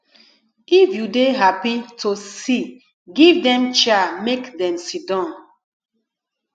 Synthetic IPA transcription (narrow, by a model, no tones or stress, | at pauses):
ifjudeɦapitʰosi | ɡivdɛ̃mt͡ʃamekdɛ̃msidãn